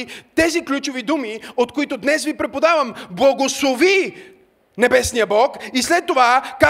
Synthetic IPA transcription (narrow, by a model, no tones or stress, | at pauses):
it̪ɛziklʲut͡ʃʊvid̪umiot̪koit̪od̪nɛsvipɾɛpod̪avɐmblˠɐɡoslˠovi | nɛbɛsnijəbɔkislɛt̪ːovaka